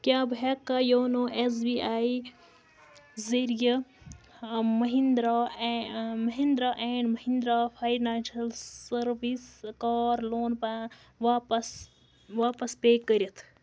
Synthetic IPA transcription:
kʲjaːbekːajoːnoʔes̬biaːi | zəɾijə | mɐɦĩnd̪ɾaː | mɐɦĩnd̪ɾaːʔẽːɳmɐɦĩnd̪ɾaːfʰaːjinaːʃɐlsəɾʋiskaːɾloːnpã | ʋaːpɐs | ʋaːpɐspeːkːəɾʲɐt̪ʰ

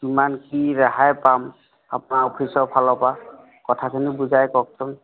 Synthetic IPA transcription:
kimankiɹaɦajpam | a̰pʊnaɔpʰisɔɹpʰalɔpa | kɔtʰakʰinibuzajkɔk̚sʰɔm

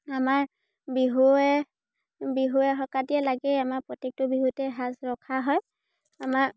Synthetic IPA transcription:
amaɹ | biɦuɛ | biɦuɛxɔkadiɛlaɡɛamaɹpɹɔtek̚tʊbiɦutɛɦazɹɔkʰaɦɔj | amaɹ

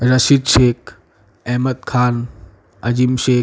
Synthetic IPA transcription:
ɾɐʃid̪ʃeːk | ɛɦməd̪̚kʰaːn | ɐd͡ʑimʃeː

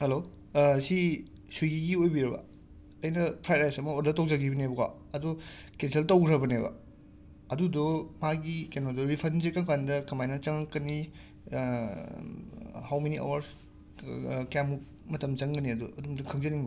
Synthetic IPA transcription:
helo | si | sujɡiɡiojbiɾɐbɐ̰ | ɐjnɐpʰɾajɾajsɐmɐoɾdɐtowzaɡibɐnebɐɡa̰ | ɐdɔkenseltɐwɡɾɐbɐnebɐ̰ | ɐdudɔmaɡikenodɔbipʰɐnzekaŋkandɐkɐmajnɐt͡ʃɐŋkɐni | hawmenia̰wɐɾs | kamuk | mɐtɐmt͡ʃɐŋɡɐniɐdɔʔɐdumduŋkʰɐŋzɐniŋbɐ

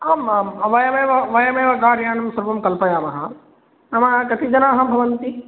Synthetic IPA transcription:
aːmamɐʋɐjɐmeːʋɐʋɐjɐmẽʋɐɡaːɾjaːnɐmsɐɾbɐmkɐlpɐjaːmɐɦãː | ɐmãkɐt̪ʰid͡ʒɐnãːɦãmbʱɐʋɐnt̪i

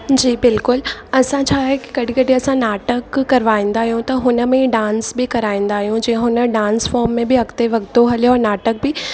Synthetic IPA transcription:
d͡ʑiːbɪlkʊlɐsãt͡ɕʰaːɦɛki̥ɡɐɽĩkɐɖĩɐsãnaːʈəkːɐɾʋaːĩːnd̪aːɦijũt̪ɐɦʊnəmẽɖãːnsbɪkɐɾaːĩːn̆d̪aːɦijũd͡ʑĩːə̃ɦʊnəɖãːnsfɔːɾmːẽbɪɐɡt̪eʋɐɡt̪oɦɐlijoɔːɾnaːʈək̚bɪ

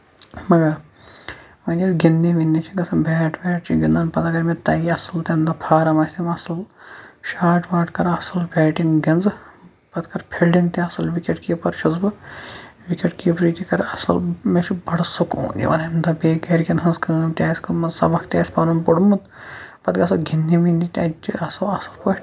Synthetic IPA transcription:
mɐɡɐɾ | ʋɐnʲɐɡinːeʋinːit͡ʃʰiɡɐsʰɐnbʱeːʈʰʋʲeːʈ̚t͡ʃʰiɡind̪ɐnpɐt̪ɐɡɐɾmet̪ɐːɡiɐsɨlt̪ɐnd̪ɐpʰaːɾɐmɐsʲt̪imɐsɐlʃaːʈʰʋaːʈkɐɾɐsɐlbɛːʈiŋɡɡɐnzɨ | pɐt̪kɐɾpʰelɖint̪iɐsɐlʋikʲeʈkijɐpɐɾʃʰɐzbɨ | ʋikeʈkipɾiːt̪ʲikɐɾɐsɐ̰lmet͡ʃʰibɐɽsuko̰ːnḭʋɐ̰nɐimd̪ɐbeːkeɾʲkʲɐnɦɐnzkɐːmt̪ʲaːsʲkɐmɐnsɐbɐkt̪ʲaːsʲpɐːnɐnpoɽmut̪ | pɐt̪ɡɐsɐɡʱinːiʋind̪it̪ʲɐt͡ʃiɐsɐɐsɐlkɐʈ

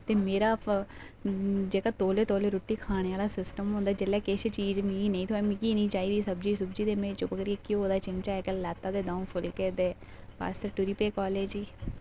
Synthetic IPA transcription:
t̪eːmeːɾaːpʰ | d͡ʒeːkaːt̪oːleːt̪oːleːɾoːʈːiːkʰaːɽ̃eːaːlaːsɪsʈəmɦõːnd̪aːd͡ʒelɛːkeʃt͡ʃiːd͡ʒmĩːnəĩːt̪ʰoːɛːmĩːkiːnĩːt͡ʃaːiːd̪iːsəbd͡ʒiːsəbd͡ʒiːd̪eːmẽːt͡ʃõːbəɡəɾkeːkiɦoːd̪aːt͡ʃɪŋt͡ʃaːɛːkelɛːt̪ːaːd̪eːd̪ãːũːfʰʊlːkeːd̪eː | pa̰ːsʈəɾʈuɾiːpeːkɔːleːd͡ʒiː

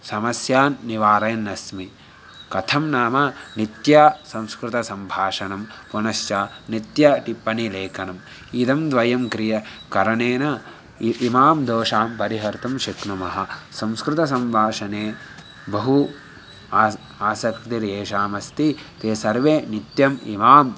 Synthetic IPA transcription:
sɐmɐsjaːnːiʋaːɾɐjɐnːɐsmi | kɐt̪ʰɐmnaːmɐnit̪jaːsɐ̃mskɾɪt̪ɐsɐmbʱaːʂɐnɐmpunɐsjaːnit̪jɐʈipːɐnileːkɐnɐm | id̪ɐmd̪ʋɐjɐmkɾijɐkɐɾɐneːnɐ | imaːmd̪oːʂaːmpɐɾiɦɐɾt̪ɐmʃiknɐmɐɦɐsɐ̃mskɾɪt̪ɐs̬ɐmbʱaːʂɐneː | bɐɦu | aːsɐkɾt̪iɾeːʃaːmɐst̪it̪eːsɐɾʋeːnit̪jɐmḭmaːm

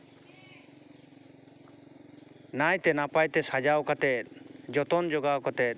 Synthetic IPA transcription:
najt̪ɛnapajt̪ɛsad͡ʒawkat̪ɛt̪̚d͡ʒɔt̪ɔnd͡ʒɔɡawkat̪ɛt̪̚

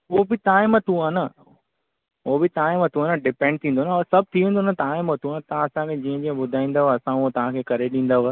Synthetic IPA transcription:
obɪt̪aːɪmət̪ʰũaːnɐ | oːbɪt̪aːɪ̃mət̪ʰũaːnɐɖɪpẽːɳɖ̚t̪ʰĩnd̪onaɔsɐb̚ʱt̪ʰiʋẽːnd̪onat̪aːɪmət̪ʰũaːnt̪ɐãɐsãkʰẽd͡ʑiːɦə̃d͡ʑiːə̃ɓʊd̪ʱaːĩːn̆d̪aɦɐsãuot̪ɐʋ̤ãkʰeːkɐɾeɗĩːn̆d̪aʋa

